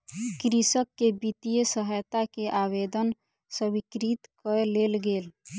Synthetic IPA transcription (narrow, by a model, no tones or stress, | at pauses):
kɾisəkːebit̪ijəsəɦəjt̪akeʔabed̪ən | səbikɾit̪kəɾlelɡeːl